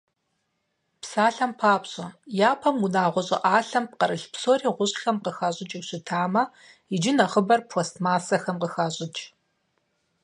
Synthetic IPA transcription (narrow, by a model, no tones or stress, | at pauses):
psaːɬɐmpʰaːpɕʼɐjaːpʰɐmunaːʁʷɔɕʼɪ̰ʔaːɬɐmp̚qɐɾɨɬpsoːriːʁʷʊɕxɐmqəxaːɕʼɪt͡ʃʼiɕɪtʰaːmɐ | ɪd͡ʒɪnɐχəbɐrpʰoːstʰmaːsɐxɐmqəxaːɕʼɪt͡ʃʼ